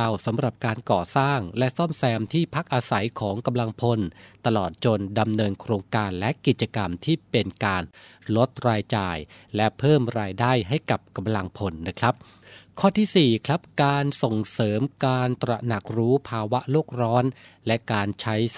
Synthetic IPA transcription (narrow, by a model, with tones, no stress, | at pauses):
wsa˩˦mɾa˨˩p̚kaː˧nkɔː˨˩saː˥˩ŋlɛ˦˥ʔsɔ˥˩msɛː˧mt̪ʰiː˥˩pʰa˦˥k̚ʔaː˧sa˩˦jkʰɔː˩˦ŋka˧mla˧ŋpʰo˧nt̪a˧lɔː˨˩t̪̚t͡ɕo˧nda˧mnɤː˧nkʰɾoː˧ŋkaː˧nlɛ˦˥ki˨˩t̪̚t͡ɕa˧ka˧mt̪ʰiː˥˩pe˧nkaː˧nlo˦˥t̪̚ɾaː˧jt͡ɕaː˧jlɛ˦˥pʰɤː˥˩mɾaː˧jdaː˥˩jɦa˥˩jka˨˩p̚ka˧mla˧ŋpʰo˧nːa˦˥kʰɾa˦˥p̚ | kʰɔː˥˩t̪ʰiː˥˩siː˨˩kʰɾa˦˥p̚kaː˧nso˨˩ŋsɤː˩˦mkaː˧nt̪ɾa˧na˨˩k̚ɾuː˦˥pʰaː˧wa˦˥ʔloː˥˩k̚ɾɔː˦˥nlɛ˦˥kaː˧nt͡ɕʰa˦˥j